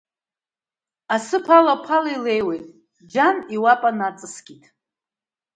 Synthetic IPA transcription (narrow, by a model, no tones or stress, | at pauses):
asɨpʰalapʰalilejwejtʼ | d͡ʒaniwapʼanat͡sʼɨsɡʲitʰʼ